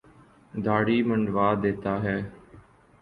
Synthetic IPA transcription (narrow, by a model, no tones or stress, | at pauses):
d̪aːɽiːməɳɖʋaːd̪eːt̪aːɦɛː